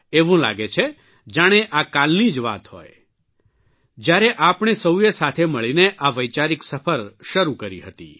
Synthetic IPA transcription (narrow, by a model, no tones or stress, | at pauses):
eʋũla̰ɡet͡ʃʰe | d͡ʒaɽ̃eʔakalnid͡ʒʋa̰t̪ɦo̰j | d͡ʒjaɾeʔapɳ̃esəwjesat̪ʰeməɭineʔaʋəjt͡ʃaɾiksəfʰəɾʃəɾukəɾḭɦət̪ḭ